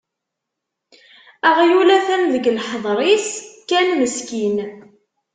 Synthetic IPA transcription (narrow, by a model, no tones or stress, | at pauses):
æʁjulæθænðəɡlħðˤɾˤiskːænməskin